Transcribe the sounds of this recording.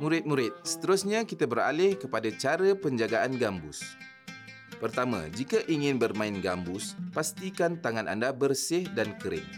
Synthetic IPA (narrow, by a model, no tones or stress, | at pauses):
mũɾɪt̪̚mũɾɪt̪̚sə̥t̪əɾusɲãkit̪abəɾa̰lɪhkəpadat͡ʃaɾapəɲd͡ʒaɡaʔanɡambʊ̰s | pərt̪amã̰d͡ʒikaʔiŋɪnbərmãɪnɡa̰mbʊspast̪ikant̪aŋanʔa̰ndabərsɪhdankəɾɪ̰t̪̚